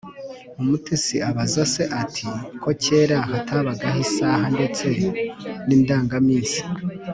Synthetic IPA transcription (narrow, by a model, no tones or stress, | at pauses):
umutesiaβazase̞ʔatʰikʰo̞ce̞ːɾahatʰaβaɡahisaɦande̞t͡se̞niːndaːŋɡamiːsi̥